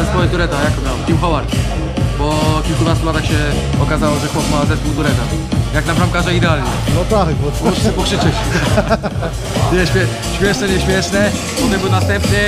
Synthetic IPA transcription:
ɛzpɔjɛd̪uɾɛt̪ajakt̪ɔmʲjawɛt̪ʲimfawaɾkʲi | bɔkʲilkunast̪ulat̪axɕɛ | ɔkazawɔʐɛxwɔpmazɛspuwt̪uɾɛt̪ajaknabɾamkaʐɛid̪ɛalɲɛnɔt̪akbɔussɛpɔkʂɘt͡ʂɛt͡ɕ | ɲɛɕmʲɛ | ɕmʲjɛʂnɛɲɛɕmʲjɛʂnɛ | pɔt̪ɛmbɘwnast̪ɛmpɲɛ

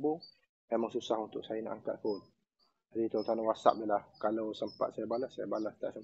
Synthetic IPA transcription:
bu | memaŋsusahunt̪ʊksajana̰ʔaŋka̰t̪̚hon | d͡ʒadit̪ot̪anawasa̰p̚dəlahkalawsəmpa̰t̪̚sajabalasːajabalast̪aʔsəm

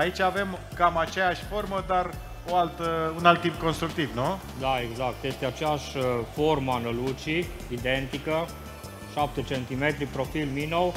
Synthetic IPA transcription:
ait͡ʃʲave̞m | kamat͡ʃejaʃʲfo̞rməd̪ar | oalt̪əunalt̪ːip̚ko̞nst̪ɾuk̚t̪ivnu | d̪aeɡzak̚t̪jest̪eat͡ʃejaʃʲfo̞rməanəlut͡ʃi | id̪e̞nt̪ikə | ʃap̚t̪et͡ʃe̞nt̪ime̞t̪ɾipɾo̞filminow

